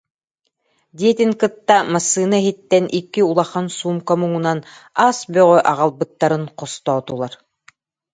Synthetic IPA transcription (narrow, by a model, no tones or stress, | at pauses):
d̪iɛt̪iŋkɯt̪ːamasːɯːnaɛɦit̪ːɛnʔikːiulˠaχansuːmkamuŋunan | aːsbœʁœʔaʁalˠbɯt̪ːaɾɯnqɔst̪ɔːt̪ulˠaɾ